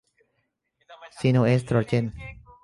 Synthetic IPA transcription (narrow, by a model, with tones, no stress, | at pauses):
si˧noest̪ɾo˨ɾt͡ʃe˧n